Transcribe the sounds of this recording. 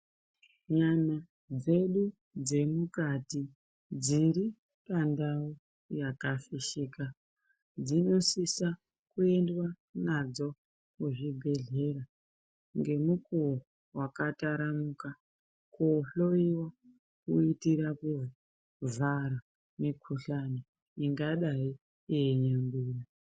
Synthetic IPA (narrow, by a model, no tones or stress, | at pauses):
ɲana | d͡ze̞ɗu | d͡ze̞mukati | d͡ziɾi | pandau | jakafiʃiːka | d͡zino̞sisa | kue̞ndwa | nad͡zo̞ | kuʐibʱe̞ɮe̞ɾa | ŋɡe̞muku | wakataɾamuka | koɬo̞iwa | kuitiɾaku | vaɾa | mikʰuɬano | iŋɡaɗai | ieɲambiːna